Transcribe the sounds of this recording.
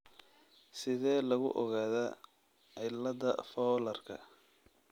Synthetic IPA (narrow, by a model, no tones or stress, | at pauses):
sɪðɛːlɐɣʊ̰ʔɔɣaːðɐ | ɛlɐðɐfɔːlɐrkʰɐ̰